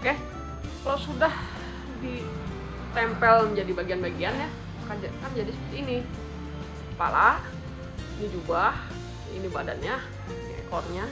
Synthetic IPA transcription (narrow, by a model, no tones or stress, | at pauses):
oke | klausudah | di | t̪ɛmpɛlməɲd͡ʒadibaɡianbaɡianja | kad͡ʒakanmɲd͡ʒadisə̥pət̪iini | pa̰laʔ | inid͡ʒubah | ḭnibada̰nɲa | kɔrɲa